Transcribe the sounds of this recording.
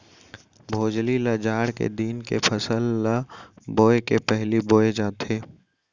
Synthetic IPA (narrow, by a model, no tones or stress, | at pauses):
bʱoːd͡ʒliləd͡ʒaːɽkḛd̪iːnkepʰəsəlːə | boːekepɛɦliboːed͡ʒaːt̪ʰeː